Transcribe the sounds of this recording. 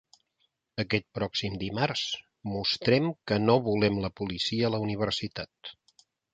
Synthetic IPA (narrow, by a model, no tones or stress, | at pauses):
əkɛt̪̚pɾɔksimd̪imars | must̪ɾɛmkənoβulɛmləpulisiəːləuniβ̞ərsit̪at̪̚